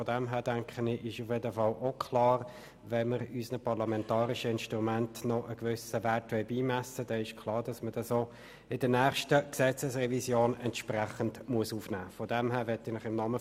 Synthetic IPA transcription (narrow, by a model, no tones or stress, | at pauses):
fɔd̥ɛmɦæːɾd̥æŋkχənɪʔɪʃufjedəfɑlʔokʰlɑːɾ | vɛməɾysnəpɑʁlɑmɛntɑːɾɪʃəɪnʃtʁumæntnɔʔəkvʏsəvætʋɛɪbiːmæsəd̥ɛɪʃkʰlˠɑːɾd̥ɑsməd̥ɑsoː | ɪdənæːχʃtəksɛt͡səsrɛvisjoːnɛntʃpræχəndmuəsuːfnæːfɔd̥ɛmɦæːɾʋɛtɪnɪχɪmnɑmə